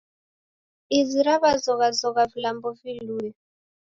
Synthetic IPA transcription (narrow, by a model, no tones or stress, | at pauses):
iziɾaβazɔɣazɔɣavilambɔviluːɛ